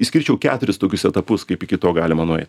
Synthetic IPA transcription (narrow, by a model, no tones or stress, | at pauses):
ɪsʲkʲɪɾʲt͡ʃʲɛʊkʲæ̰ːt̪ʊɾʲɪst̪oːkʲʊsɛt̪ɐpʊskɐɪpɪkʲɪt̪oːɡɑːlʲɪmɐnoːɛ̰ɪt̪